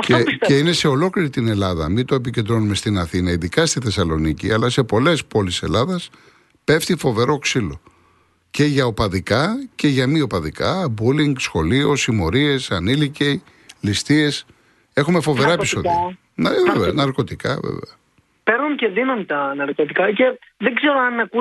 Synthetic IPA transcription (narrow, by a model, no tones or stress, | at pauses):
ɐfcteeine̞se̞o̞lo̞kliɾit̪ine̞lɐðɐ̰mit̪o̞ep̬icend̪ɾo̞nume̞st̪inɐθinɐiðikɐst̪iθe̞sɐlo̞niciɐlɐse̞po̞le̞spo̞lise̞̰lɐðɐs | pe̞ft̪ifo̞ve̞ɾo̞ksilo̞ | ce̞ʝɐopɐðikɐce̞ʝɐmio̞pɐðikɐbuliŋɡsxo̞lio̞simo̞ɾie̞sɐnilicej | list̪ie̞s | e̞xume̞fo̞ve̞ɾɐepisoð | nvevenɐɾko̞t̪ikɐ̰vḛvḛɐ | peɾnunceðinɐnt̪ɐnɐɾkot̪ikɐceðeɡzeɾoɐnɐku